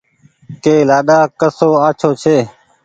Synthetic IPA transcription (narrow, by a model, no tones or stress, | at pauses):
keːlaːɗaːkəsoːaːt͡ʃʰoːt͡ʃʰeː